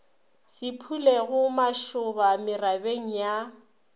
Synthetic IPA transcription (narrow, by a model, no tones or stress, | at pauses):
sɪpʰuleɣʊmaʃʊbamɪrabeŋ̩ja